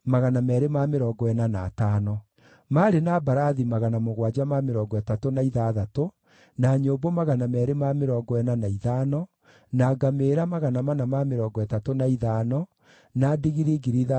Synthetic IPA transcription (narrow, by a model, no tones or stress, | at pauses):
maɣanamɛɾemameɾɔːɡɔɛnanaːtaːnɔ | maɾenabaɾaðimaɣanamoɣwad͡ʑamameɾɔːɡɔɛtatonaiðaðato | naɲoːbomaɣanamɛːɾemameɾɔːɡɔɛnanaiðanɔ | naːɡameːɾamaɣanamanamameɾɔɡɔɛtatonaiðaːnɔ | nadiɣiɾeɡiɾiða